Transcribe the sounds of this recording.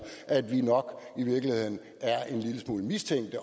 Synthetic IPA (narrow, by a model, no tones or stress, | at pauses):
ʔæd̥ʋinɒ̽ɡ̥iʋiɐɡ̥lihe̝ð̰ˠn̩ | æɐʔe̝nliləsmuːləmist͡sʰeŋ̰d̥ə